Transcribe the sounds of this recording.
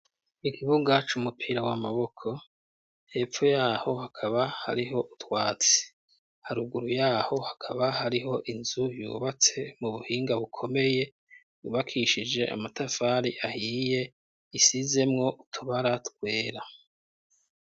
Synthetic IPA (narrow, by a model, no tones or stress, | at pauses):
ikʰiβuɡat͡ʃumupʰiɾawamaβo̞kʰo̞ | he̞ːfojaːho̞hakʰaβaha̰ɾiɦo̞ʔutwaːt͡se̥ | haɾuɡuɾujaːho̞hakʰaβaɦaɾiɦo̞ʔinzujjṵːβat͡se̞muβuhiːŋɡaβukʰo̞me̞je̞ | juβakʰiʃid͡ʒe̞ʔa̰matafaːɾiʔahiːje̞ | isize̞mŋo̞ʔutʰuβaɾatkwe̞ːɾa